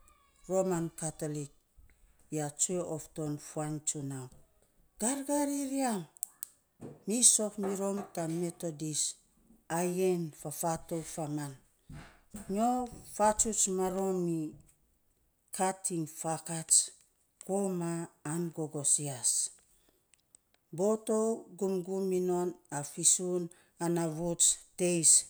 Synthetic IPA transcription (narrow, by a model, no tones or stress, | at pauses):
ɾo̞mankatolik̚ | jat͡ʃueofto̞nfuant͡ʃunaw | ɡ̥aɾɡaɾiɾiam | iso̞kmiɾo̞mtame̞to̞dis | ajenfafatofaman | ɲofat͡ʃut͡ʃmaɾo̞mi | kʰatʰiŋfakat͡ʃ | komaːnɡo̞ɡo̞sias | bo̞to̞ɡumɡumino̞nafisun | anaβut͡ʃte̞js